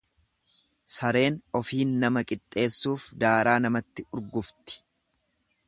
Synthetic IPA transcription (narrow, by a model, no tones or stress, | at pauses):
sɐɾe̞ːnɔfiːnːɐmɐkʼɪt̪ʼːe̞ːsːuːfd̪aːɾaːnɐmɐt̪ːɪʊɾɡʊft̪ɪ̥